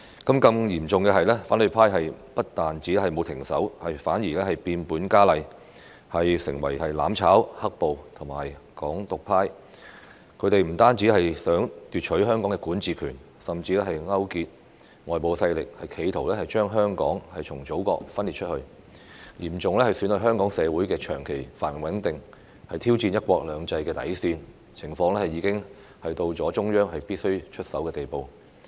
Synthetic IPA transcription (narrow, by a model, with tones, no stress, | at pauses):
kɐ˨˥mkɐ˧mjiː˨˩mt͡sʊ˨ŋkɛː˧ɦɐ˨jlɛː˥faː˨˥nlɵ˨˧pʰaː˥jɦɐ˨jpɐ˥t̚t̪aː˨nt͡siː˨˥ɛ˥ɦɐ˨jmo˨˧wt̪ʰɪ˨˩ŋsɐ̰˨˥whɐ˨jfaː˨˥njiː˨˩lɛː˥hɐ˨jpiː˧npuː˨˥nkaː˥lɐ˨˧j | hɐ˨jsɪ̰˨˩ŋwɐ̰˨˩jhɐ˨jla̰ː˨˧˥mt͡sʰaː˨˥whɐ˥k̚po˨wt̪ʰʊ˨˩maː˨˩jkɔː˨˥ŋt̪ʊ˨k̚pʰaː˥j | kʰɵ˨˧ɥt̪e˨jm̩˨˩t̪aː˥nt͡siː˨˥hɐ˨jsœː˨˥ŋt̪yː˨t̚t͡ʃʰɵ˨˥ɥɦœː˥ŋkɔː˨˥ŋɛː˧kuː˨˥nt͡siː˨˧kʰyː˨˩n | sɐ˨˩mt͡siː˧lɛː˥hɐ˨jŋɐ˥wkiː˧t̚ | ŋɔː˨jpo˨˧wsɐ˧jlɪ˨k̚hɐ˨jkʰe˨˧jt̪ʰo˨˩wlɛː˥hɐ˨jt͡ʃœː˥ŋɦœː˥ŋkɔ̰ː˨˥ŋhɐ˨jt͡sʰʊ˨˩ŋt͡so˨˥wkɔ̰ː˧k̚fɐ˥nliː˨t̚t͡ʃʰɵ˥t̚hɵ˧ɥ | jiː˨˩mt͡sʊ˨ŋlɛː˥hɐ˨jsyː˨˥nɵ˨˧hœː˥ŋkɔː˨˥ŋsɛː˨˧wuː˨˥jkɛː˧t͡ʃʰœː˨˩ŋkʰe˨˩jfaː˨˩n˨˩wɐ˨˥nt̪ɪ˨ŋ | hɐ˨jt̪ʰiː˥wt͡siː˧njɐ˥t̚kʷɔː˧k̚lœː˨˧ŋt͡sɐ˧jkɛː˧t̪ɐ̰˨˥jsiː˧n | t͡sʰɪ˨˩ŋfɔː˧ŋlɛː˥hɐ˨jːiː˨˧kɪ˥ŋ | hɐ˨jt̪o˧wt͡sɔː˨˥t͡ʃʊ˥ŋjœː˥ŋhɐ˨jpiː˥t̚sɵ˥ɥt͡ʃʰɵ˥t̚sɐ˨˥wkɛː˧t̪e˨jpo˨w